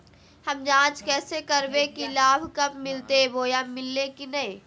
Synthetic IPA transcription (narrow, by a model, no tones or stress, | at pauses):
hɐmd͡ʒãːt͡ʃkɛːsekɐɾbekilaːbʱkɐpmɪlt̪eboːjamːɪlːekinɐẽː